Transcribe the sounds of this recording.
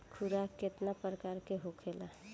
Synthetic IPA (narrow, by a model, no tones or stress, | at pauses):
kʰuɾaket̪napɾəkaːɾkeɦokʰela